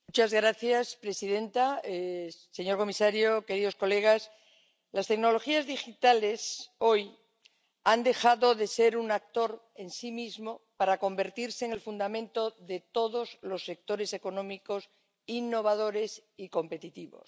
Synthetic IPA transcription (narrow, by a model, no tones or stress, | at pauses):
mmut͡ʃazɣɾaθjaspɾe̞siðe̞nt̪aese̞ɲo̞ɾko̞misaɾjoke̞ɾiðo̞sko̞le̞ɣ̞as | last̪e̞ɡno̞lo̞xiazðixit̪ale̞so̞j | and̪e̞xaðo̞ðe̞se̞ɾunak̚t̪o̞ɾ | e̞nsimizmo̞paɾako̞mbe̞ɾt̪iɾse̞ːŋelfund̪amẽ̞nt̪o̞ðe̞t̪o̞ðo̞zlo̞sːe̞k̚t̪o̞ɾe̞se̞ko̞nõ̞mikos | inːo̞β̞að̞o̞ɾe̞siko̞mpe̞t̪it̪iβo̞̰s